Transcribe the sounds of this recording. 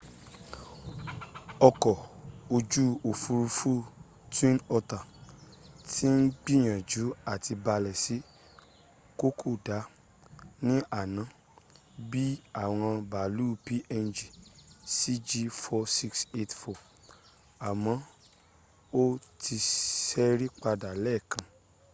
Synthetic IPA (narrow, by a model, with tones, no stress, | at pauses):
ɔ˧kɔ˨o˧d͡ʒu˦o˨fu˧ɾu˧fu˦ | twĩ˦nɔ˧ta˨ | tʰi˦n̩˦ɡ͡bi˦˨j̃ã˨d͡ʒu˨˦a˦˨ti˧ba˧lɛ˨si˨˦ | ko˦kʰu˦˨da˨˦ | nĩ˦ʔa˨nã˨˦ | bi˦a˦˨w̃ɔ̃˧ba˨lu˦˨pi˦ʔɛ˧nd͡ʒi˨si˦d͡ʒi˧fɔ˧si˧kse˧tfɔ˨ | a˨mɔ̃˨˦ | o˦ti˧sɛ˦ɾi˦k͡pa˧da˨lɛ˦˨kʰã˨